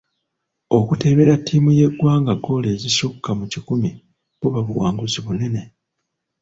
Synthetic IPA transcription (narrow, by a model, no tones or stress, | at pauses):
o̞kute̞βe̞ɾatːimuje̞ɡwaːŋɡaɡo̞le̞ːzisukːamucikumi | kuβaβuwaːŋɡuziβune̞ne̞